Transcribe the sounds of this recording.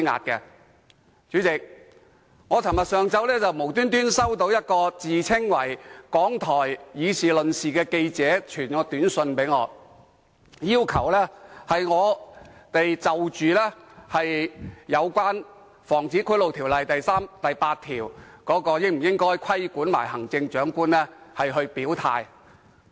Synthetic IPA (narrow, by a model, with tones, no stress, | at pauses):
ŋa̰ː˨t̚kɛ˧ | t͡ʃyː˨˥t͡sɪ˨k̚ | ŋɔː˨˧t͡sʰɐ˨˩mɐ˨t̚sœː˨˩ŋt͡sɐ˨˧wlɛː˥t͡sɐ˨wmo˨˩wt̪yː˥nt̪yː˥nsɐ˥wt̪o˨˥wjɐ˥t̚kɔː˧t͡siː˨t͡sʰɪ˥ŋwɐ˨˩jkɔː˨˥ŋt̪ʰɔː˨˩jjiː˨˧sʰiː˨˩lɵ˨nsiː˨kɛː˧ke˧jt͡sɛː˨˥t͡ʃʰyː˨˩nŋɔː˨˧t̪yː˨˥nsɵ˧npe˨˥jŋɔː˨˧ | jiː˥wkʰɐ˨˩wlɛː˥hɐ˨jŋɔː˨˧t̪e˨jt͡sɐ˨wt͡ʃyː˨lɛː˥hɐ˨jjɐ˨˧wkʷaː˥n | fɔː˨˩ŋt͡siː˨˥kʰɵ˥lo˨wt̪ʰiː˨˩wlɐ˨jt̪ɐ˨jsaː˥mt̪ɐ˨jpaː˧t̚t̪ʰːiː˨˩wkɔː˨˥kɔː˧jɪ˥ŋm̩˨˩jɪ˥ŋkɔː˥jkʷʰɐ˥jkuː˨˥nma̰ː˨˩jhɐ˨˩ŋt͡sɪ˧ŋt͡ʃœː˨˥ŋkuː˥nlɛː˥hɐ˨jɦɵ˧ɥpiː˨˥wt̪ʰaː˧j